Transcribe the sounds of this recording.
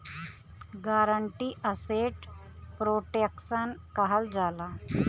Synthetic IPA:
ɡaːɾəɳʈiːʔəseːʈ | pɾoːʈeksənkəɦəld͡ʒaːlaː

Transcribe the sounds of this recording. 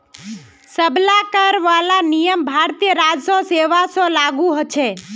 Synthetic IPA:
səblakəɾʋalanijəmbʱaɾt̪ijəɾad͡ʒsoseʋasolaɡuɦot͡ʃʰe

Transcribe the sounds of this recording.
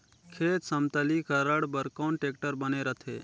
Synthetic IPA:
kʰeːt̪səmt̪əlikəɾəɽbəɾkaːɳʈekʈəɾbəneɾət̪ʰḛː

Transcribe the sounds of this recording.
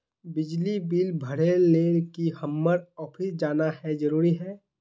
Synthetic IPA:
bɪd͡ʒlibiːlbʱəɽ̤eleːlkihəmːəɾɔːpʰɪsd͡ʒaːnahɛd͡ʒɐɾuːɾiɦɛː

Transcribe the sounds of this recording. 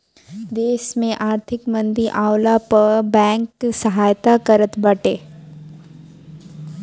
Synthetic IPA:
d̪eːʃmẽʔaːɾt̪ʰɪkmə̃nd̪iʔaːwlapəbɛ̃ːŋksəɦaːjt̪akəɾət̪bəʈeː

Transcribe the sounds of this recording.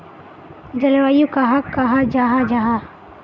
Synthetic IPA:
d͡ʒɐlʋajukaɦakːaɦad͡ʒaɦad͡ʒaɦa

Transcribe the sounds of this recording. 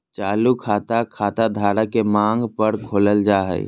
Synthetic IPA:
t͡ʃaːlukʰaːt̪akʰaːt̪ad̪ʱaːɾakemãːŋɡpəɾkʰoːləld͡ʒaːɦɛ̰

